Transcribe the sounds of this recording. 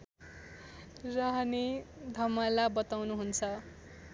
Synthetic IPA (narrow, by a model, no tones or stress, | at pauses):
raɦʌnid̪ʱʌmʌlabʌt̪awnuɦunt͡sʰʌ